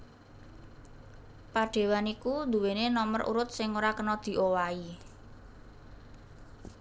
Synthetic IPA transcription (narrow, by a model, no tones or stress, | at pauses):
paɖ̥e̤wanikund̪ṳwenenɔməɾṵɾʊt̪̚sɪŋoɾakənɔd̪̥i̤ʔowai